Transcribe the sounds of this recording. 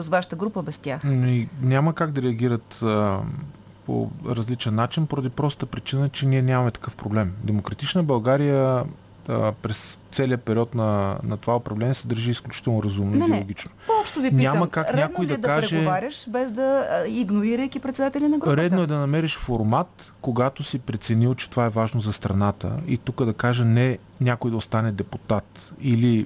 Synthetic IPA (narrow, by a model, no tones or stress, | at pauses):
osvaʃə̥t̪əɡɾupəbɛst̪ʲjaxnoinʲaməkaɡd̪ɐɾɛɐɡʲiɾət̪ə | po̰ɾɐzlit͡ʃɛnːat͡ʃinpoɾɐd̪ipɾɔst̪əpɾit͡ʃinət͡ʃɛniɛnʲamɐmɛt̪ɐ̥kɤfpɾoblɛmd̪ɛmokɾɐt̪it͡ʃnəbɐlˠɡaɾijə | pɾɛst̪sɛliəpɛɾʲiɔt̪nɐnɐt̪ovaopɾɐvlɛnʲiɛsɛd̪əɾʒiːsklʲut͡ʃi̥t̪ɛlˠnoɾɐzumnoɛlˠoɡʲit͡ʃnopɔpʃtt̪oviniaməkakɾnʲad̪koiɐd̪ɐkaɾɛʒɛvaɾʲəʃbɛzd̪ɐiɡnoɾiɾəjkipɾɛt̪sɛd̪at̪ɛlʲinɐɡɾoɾɛd̪noɛd̪ɐnɐmɛɾɛʃfoɾmat̪koɡat̪osipɾɛt̪sɛnilˠt͡ʃɛ̥t̪ovaɛvaʒnozɐst̪ɾɐnat̪ə̰it̪ukəd̪ɐkaʒənɛ | nʲakoid̪ɐost̪anɛd̪ɛput̪at̪ili